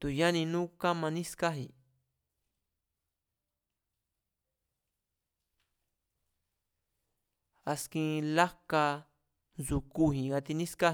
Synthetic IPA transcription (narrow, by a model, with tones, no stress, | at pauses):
t̪u˨ja˦nĩ˧nũ˦ka˦mã˧nĩ˦ska˦ɦi˨ | a˧skĩ˧la˦ka˧ | nzu˧ku˦hĩ˨ɡa˧t̪i˧nĩ˦ska˦